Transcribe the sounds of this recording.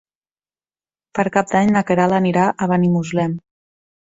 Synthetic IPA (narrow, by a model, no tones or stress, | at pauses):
pəɾkap̚d̪aɲnakeɾalaniɾaʔəβanimuzlɛm